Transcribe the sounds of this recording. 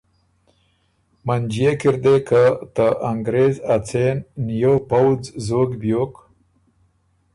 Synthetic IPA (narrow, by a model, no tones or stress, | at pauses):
mand͡ʒijekiɾd̪ekat̪əʔaŋɡɾezat͡sennjopawd͡zzoɡbjok